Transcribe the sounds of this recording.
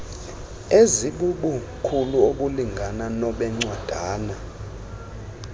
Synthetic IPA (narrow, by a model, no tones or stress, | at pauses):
eziɓuɓu | kʰuluoɓuliŋɡʱananɔɓɛŋ͡ǀwad̥ʱaːna